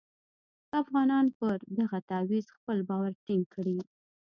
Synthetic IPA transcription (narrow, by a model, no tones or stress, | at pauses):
afɣɑnɑnpəɾd̪aɣat̪awizxpəlbɑwaɾʈɪŋɡ̚kʰəɽi